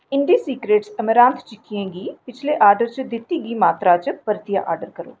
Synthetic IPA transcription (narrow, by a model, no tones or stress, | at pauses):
ɪɳɖisiːkɾeːʈsəməɾãːnt̪ʰt͡ʃɪkːijẽɡiːpɪt͡ʃʰleːʔaːɾɖəɾt͡ʃd̪ɪt̪ːiɡiːmaːt̪ɾat͡ʃpəɾt̪ɪja̰ʔa̰ːɾɖəɾkəɾo̰ː